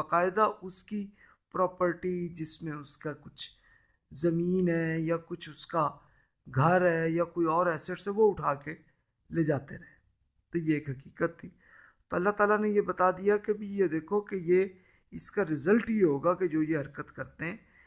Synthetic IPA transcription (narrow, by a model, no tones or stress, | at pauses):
bəqaːɪd̪aʔʊski | pɾɔːpəɾʈid͡ʒɪsmẽʊskakʊt͡ʃʰ | zɐmiːnɦɛjakʊt͡ʃʰʊska | ɡʱɐɾɦɛːjakoːiɔːɾɛːseʈseʋoʊʈʰaːke | leːd͡ʒaːt̪eɾɐɦẽː | t̪ojeeːkɦɐkiːkət̪ʰːiː | t̪oɐlːaɦt̪aːlanejebɐt̪ad̪ijakebʱijed̪eːkʰokeje | ɪskaɾɪzəlʈijeɦoːɡaked͡ʒoːjeɦɐɾkət̪kɐɾt̪eɦɛ̃ː